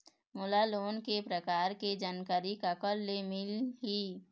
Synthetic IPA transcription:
mʊlaloːnkepɾəkaːɾked͡ʒaːnkaːɾikakəlːemɪlɦi

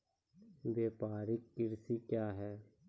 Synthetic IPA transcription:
ʋeːpaːɾɪkːɪɾsikjaːɦɛː

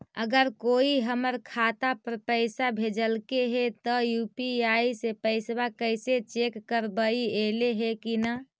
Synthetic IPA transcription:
əɡəɾkoiɦəməɾkʰat̪apəɾpəɪsabʱed͡ʒəlkeɦet̪əjupiaisepəɪsbakəɪset͡ʃekːəɾbəieleɦekina

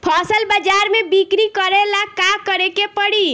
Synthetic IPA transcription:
pʰɔsəlbəd͡ʒaɾmebikɾikəɾelakakəɾekepəɽi

